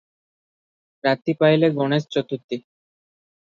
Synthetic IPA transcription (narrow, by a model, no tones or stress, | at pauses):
ɾat̪ːipajleɡɔnest͡ɕɔt̪ːut̪ːi